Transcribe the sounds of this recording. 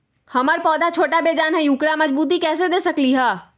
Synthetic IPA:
hɐməɾpɔːd̪at͡ʃʰoːʈabeːd͡ʒaːnɦɛjuːkɾamɐd͡ʒbuːt̪̬ikɛːsed̪eːsəkliɦaː

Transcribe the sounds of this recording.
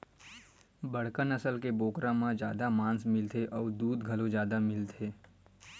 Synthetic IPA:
bɐɽ̤kənəsəlkeboːkɾãmãd͡ʒjaːd̪amãːnsmɪlt̪ʰeʔɔːɾd̪uːd̪ɡʱɐlõd͡ʒjaːd̪amɪlt̪ʰeː

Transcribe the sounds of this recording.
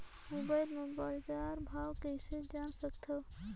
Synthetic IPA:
moːbaːɪlmʊ̃baːld͡ʒaːɾbʱaːwkɛsed͡ʒaːnsəkt̪ʰo

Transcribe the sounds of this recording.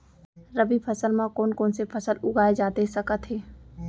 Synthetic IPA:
ɾɐbipʰɐsəlmãkɔːnkɔːnsepʰɐsəlʊɡʱaːed͡ʒaːt̪esɐkət̪ɦeː

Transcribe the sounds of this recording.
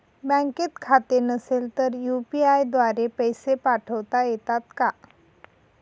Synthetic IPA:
bə̃ŋket̪kʰat̪enəselt̪əɾjupiajd̪ʋaɾepəjsepaʈʰəʋt̪ajet̪at̪ka

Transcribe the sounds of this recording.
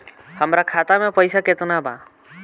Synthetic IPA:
həmɾakʰat̪amẽpəjsaket̪unabãː

